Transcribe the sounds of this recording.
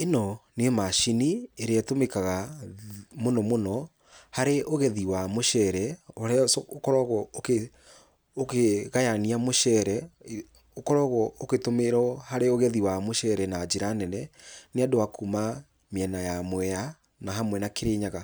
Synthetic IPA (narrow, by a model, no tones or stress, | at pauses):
enɔnemaʃinieɾeatomekaɣa | monɔmonɔ | haɾeʔoɣɛðiwamoʃɛɾɛoɾɛokɔɾɔɣɔoke | okeɣajaniamoʃɛɾɛ | okɔɾɔɣɔoketomeɾɔhaɾeoɣɛðiwamoʃɛɾɛnad͡ʒeɾanɛnɛneadowakuma | miɛnajamwɛa | naɦamwɛnakeɾeɲaɣa